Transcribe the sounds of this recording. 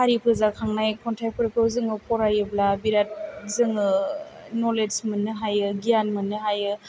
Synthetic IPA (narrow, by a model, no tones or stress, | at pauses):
haɾipʰɯzakʰaŋnajkʰɔntʰajpʰɯɾkʰɯwzɯŋɯpʰɔɾajɯblabiɾat̚zɯŋɯ | nɔlesmɯnːɯɦajɯɡijanmɯnːɯɦajɯ